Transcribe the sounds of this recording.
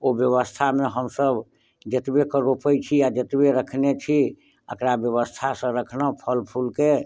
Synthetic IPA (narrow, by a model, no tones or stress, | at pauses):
objəβəst̪ʰameɦəmsəb | d͡ʒət̪bekəɾopəjt͡ʃʰiad͡ʒət̪beɾəkʰnet͡ʃʰi | əkɾabjəβəst̪ʰasə̃ɾəkʰnəpʰəlpʰulke